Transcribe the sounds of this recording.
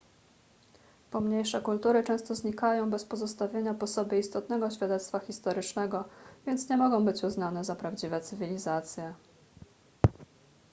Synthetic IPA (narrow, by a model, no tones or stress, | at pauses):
pɔmɲejʂɛkult̪uɾɘt͡ʂɛ̃w̃st̪ɔzɲikajɔ̃w̃bɛspɔzɔst̪avʲjeɲapɔsɔbɘist̪ɔt̪nɛɡɔɕfʲjad̪ɛt̪st̪faxʲist̪ɔɾɘt͡ʂnɛɡɔvʲjɛnt̪sɲɛmɔɡɔ̃w̃bɘt͡ɕuznanɛzapɾavd͡ʑivɛt̪sɘvʲilʲizat̪sʲjɛ